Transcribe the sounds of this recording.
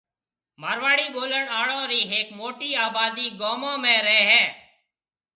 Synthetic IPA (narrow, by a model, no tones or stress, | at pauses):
maːɾʋaːɽiːɓoːləɳaːɽõːɾiːɦeːkmoːʈiːaːbaːd̪iːɡoːmõːmẽːɾeːɦɛː